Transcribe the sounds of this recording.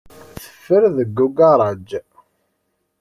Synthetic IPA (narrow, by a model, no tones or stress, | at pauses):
θə̥fːəɾðəɡːuɡɑɾˤɑd͡ʒ